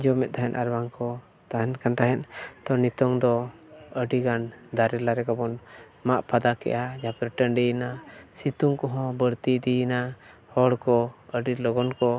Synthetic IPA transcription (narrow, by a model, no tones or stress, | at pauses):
d͡ʒɔmɛt̪̚t̪aɦɛnʔaɾbaŋkɔ | t̪aɦɛnkant̪aɦɛnt̪ɔnit̪ɔŋd̪ɔəɖiɡand̪aɾɛlaɾɛkabɔn | maʔpʰad̪akɛ̰ʔad͡ʒapɾʈənɖijnasit̪uŋkɔɦɔ̃bəɽt̪id̪ina | hɔɽkɔəɖilɔɡɔnkɔ